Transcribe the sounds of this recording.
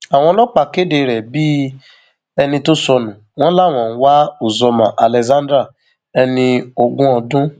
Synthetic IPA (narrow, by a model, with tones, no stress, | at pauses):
a˨w̃ɔ̃˧lɔ˦k͡pa˧˨ke˦de˧ɾɛ˨bi˦ | ɛ˧nĩ˧to˦sɔ˧nũ˨w̃ɔ̃˦la˦˨w̃ɔ̃˨n̩˦wa˦o˨zɔ˧mã˨ʔa˨lɛ˨zã˦dɾa˦˨ | ɛ˧nĩ˧o˧ɡũ˦ɔ˧dũ˦